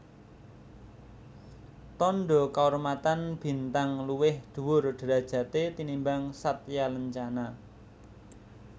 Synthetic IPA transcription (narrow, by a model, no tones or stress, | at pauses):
t̪ɔnɖɔkaurmat̪anb̥i̤nt̪aŋluwɪhd̪̥ṳwʊrɖ̪̥ə̤ɾad̥ʒ̥ä̤t̪et̪inimbaŋsat̪̚jaləɲt͡ʃana